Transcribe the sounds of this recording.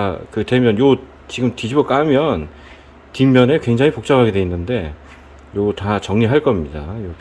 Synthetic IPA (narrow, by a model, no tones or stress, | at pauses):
kɯte̞mjʌnjo | t͡ɕiɡɯmtid͡ʑibʌk͈amjʌn | timjʌne̞kwe̞ŋd͡ʑaŋɦipok̚t͡ɕ͈aŋɦaɡe̞dwe̞inːɯnde̞ | jotat͡ɕʌŋɲiɦaɭk͈ʌmɲidajo